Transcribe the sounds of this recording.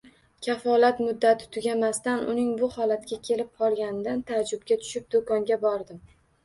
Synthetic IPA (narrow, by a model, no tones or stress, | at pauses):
kʲʰafɒlat̪mʊd̪ːat̪ʰɪ̥t̪ʰʊɡʲamast̪anʊ̰nɪŋbʊhɒlat̪̚kʲakʲʰe̞lɪp̚qʰɒlˠɡʲanɪd̪ant̪ʰad͡ʒʊbɡʲat̪ʰʊ̥ʃɪp̚d̪okɒŋɡʲabɒɾd̪ɪm